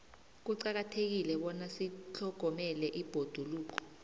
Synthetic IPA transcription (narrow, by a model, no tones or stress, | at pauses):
k̬uǀak̬atʰek̬ilɛɓɔnasit͡ɬʰɔɡ̥ʱɔmɛlɛʔib̥ʱod̥ʱuluːk̬ɔ̥